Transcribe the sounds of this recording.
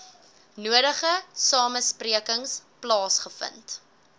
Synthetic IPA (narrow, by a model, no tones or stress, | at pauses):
nuəɾəχəsɑːməspriəkəŋsplɑːsχəfə̰nt